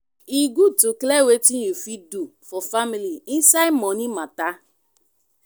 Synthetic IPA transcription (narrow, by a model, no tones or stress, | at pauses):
iɡʷutuklewetinjufidufɔfamiliisaɪmɔnimata